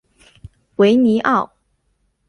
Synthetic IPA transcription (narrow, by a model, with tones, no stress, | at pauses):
we˧˥ɪni˧˥ʔɑ˥˩ʊ